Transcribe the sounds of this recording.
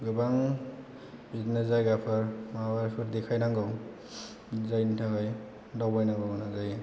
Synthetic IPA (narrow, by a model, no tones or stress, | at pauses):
ɡɯbaŋ | bitnazajɡapʰaɾmabaɾpʰɯɾdikʰajnaŋɡɯw | zajntʰaɡaj | dawbajnaŋɡɔnazaj